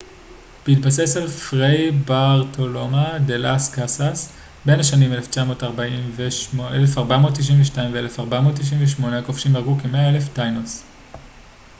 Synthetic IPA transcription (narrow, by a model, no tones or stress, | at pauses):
b̥eit̚base̞salfʁejbaʁtʰo̞lo̞madelaskasas | be̞naʃanimeleft͡ʃamo̞ːtaʁbaimveʃʔelefaʁbamo̞tːiʃ̬iɱveʃtaimveelefaʁbamo̞tːiʃ̬iɱveʃ̬mo̞nakofʃimaʁɡukemeae̞leftajnos